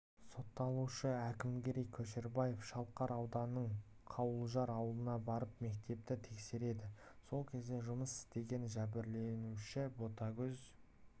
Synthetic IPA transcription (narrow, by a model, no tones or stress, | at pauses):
so̞t̪ːɑlˠuʃəækʲɪmɡʲe̞ɾejkʲʰɵʃeɾbɑje̞fʃɑlˠqɑɾɑwd̪ɑnəɴqʰɑwəlˠʒɑɾɑwəlˠənɑbɑɾəpme̞kt̪e̞p̚t̪ɪt̪ʰe̞kse̞ɾe̞d̪ɪso̞lˠkʲʰe̞zd̪e̞ʒʊməsɪ̥st̪e̞ɡʲe̞nʒæbɪɾle̞nuʃɪbo̞t̪ɑɡʲɵz